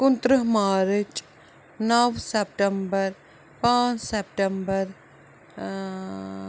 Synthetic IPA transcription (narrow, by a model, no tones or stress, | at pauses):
kʊnt̪ɾəɦmaːɾɪt͡ʃ | nɐʋsep̚ʈəmbəɾ | pãːt͡ʃsep̚ʈəmbəɾ